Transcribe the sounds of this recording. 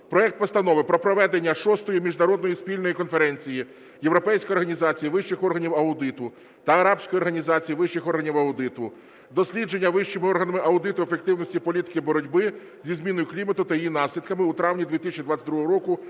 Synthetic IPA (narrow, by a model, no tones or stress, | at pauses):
pɾɔɛk̚t̪̚pɔst̪ɐnɔʋɪpɾɔpɾɔʋɛd̪enʲːɐʃɔst̪ɔjimʲiʒnɐɾɔd̪nɔjispʲilʲnɔjikɔnfeɾɛnʲt͡sʲiji | jewɾɔpɛjsʲkɔjɔrɦɐnʲizɑt͡sʲijiʋɪʃt͡ʃɪxɔrɦɐnʲiwɐʊd̪ɪt̪ʊ | t̪ɐːɾɑbsʲkɔjɔrɦɐnʲizɑt͡sʲijiʋɪʃt͡ʃːɪxɔrɦɐnʲiwɐʊd̪ɪt̪ʊ | d̪ɔsʲlʲid͡ʒe̞nʲːɐʋɪʃt͡ʃɪmɪɔrɦɐnɐmɪʔɐʊd̪ɪt̪ʊefek̚t̪ɪwnɔsʲtʲipɔlʲit̪ɪ̥kɪbɔɾɔdʲbɪ | zʲizmʲinɔjʊklʲimɐt̪ʊt̪ɐjijinɑsʲlʲid̪kɐmɪut̪ɾɑʋnʲid̪ʋʲit̪ɪsʲɪt͡ʃʲid̪ʋɑt͡sʲːɐtd̪ɾuɦɔɦɔɾɔkʊ